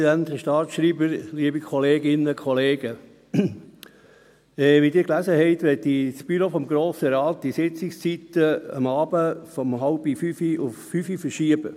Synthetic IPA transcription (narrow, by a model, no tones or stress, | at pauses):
dænt̪əʃtɑːtʃɾiːbəɾliəbikʰɔleːɡɪnəkʰχɔleːɡ̥ə | ɛːʋid̪ɪːɾklæsəhɛɪt̪ʋɛt̪ːisb̥yɾofɔmɡɾoːsəɾɑːt̪̚d̪̥isɪt͡sɪkst͡sit̪əə̰mɑːb̥əfɔmɦɑʊb̥ifyfiʊfːyfifəɾʃiəbə̰